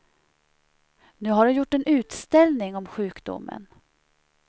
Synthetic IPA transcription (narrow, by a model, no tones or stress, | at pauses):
nʉ̟ːɦaɖɵjʊʈːɛnʉ̟ːt̪st̪ɛlnɪŋɔmɧʉ̟ːkd̪ʊ̰mːə̰n